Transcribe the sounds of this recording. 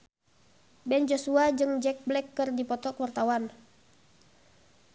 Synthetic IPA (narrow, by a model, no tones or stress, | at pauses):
bɛnd͡ʒɔsuad͡ʒɨŋd͡ʒɛk̚blɛkːɨrdipɔt̪ɔkwart̪awan